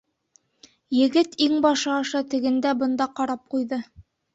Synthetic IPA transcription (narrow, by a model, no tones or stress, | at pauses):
jɘ̆ɡɘt̪iŋbɑʃɑːʃɑt̪ɘ̆ɡɘ̆nd̪æbɤ̆nd̪ɑqɑɾɑp̚qujðɤ